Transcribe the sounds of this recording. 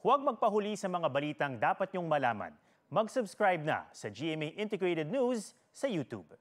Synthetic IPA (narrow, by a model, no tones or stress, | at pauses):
hwɐɡ̚mɐɡ̚pɐɦʊlisɐmɐŋabɐliːt̪ɐŋd̪aːpɐt̪̚ɲoŋmɐlaːmɐ̰n | mɐɡsʊbskɹajb̚nɐ̰sɐd͡ʒiʔɛmeʔɪ̃nt̪ɛɡɹet̪ɛd̪̚nusː | ɐjut̪ṵb̚